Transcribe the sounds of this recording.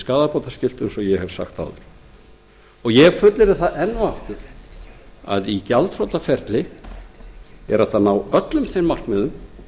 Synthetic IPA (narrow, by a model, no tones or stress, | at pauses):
skaːðapɔt̪ascɪl̥t̪ɛnsɔjɛhɛvsa̰xt̪a̰wðʏɾ̥ | ɔɣjɛfʏt̪lɪɾɪθaʔɛnːʏaft̪ɪɾ̥ | a̰ðicalt̪rɔwt̪afɛɾt̪lɪ | ɛ̰ɾaft̪anawœt̪lʏmθejmmar̥kmɛðʏm